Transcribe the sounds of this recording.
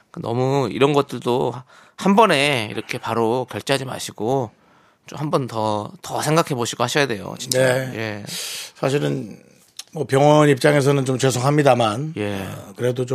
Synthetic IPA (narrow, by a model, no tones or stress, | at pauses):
kenʌ̰muḭɾʌnɡʌt̚t͈ɯɭdohanbʌne̞ḭɾʌkʰe̞paɾokjʌɭt͡ɕ͈eɦad͡ʑima̰ɕʰiɡ̥o | t͡ɕomhambʌntʌtʌsʰe̞ŋɡakʰe̞boɕʰiɡohaɕʰʌjade̞jo̰t͡ɕinaje̞sʰaɕ̬ʰiɾɯn | mʌpjʌŋwʌnip̚t͡ɕ͈aŋe̞s̬ʰʌnɯnt͡ɕomt͡ɕesʰoŋɦamɲidamanje̞kɯɾe̞dot͡ɕo